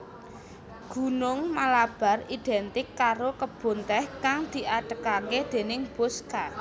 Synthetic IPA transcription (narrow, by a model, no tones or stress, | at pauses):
ɡ̥ṳnʊŋmalab̥a̤rid̪̥ɛnt̪ɪkːaɾokəb̥o̤nt̪ɛhkaŋd̪̥i̤ʔaɖ̥əkaked̪̥e̤nɪŋb̥oska